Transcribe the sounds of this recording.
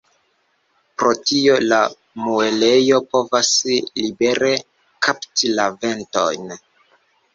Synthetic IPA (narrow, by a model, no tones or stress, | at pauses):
pɾo̞tio̞la | muele̞jo̞po̞vaslibe̞ɾe̞ | kaptilave̞nto̞̰jn